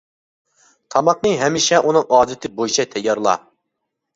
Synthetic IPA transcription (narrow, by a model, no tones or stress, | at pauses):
t̪ʰɑmɑqnɨɦɛmiʃɛʔunɨŋɑːd̪ɪt̪ʰɪbojt͡ʃʰɛt̪ʰɛjːɑɾlˠɑ̰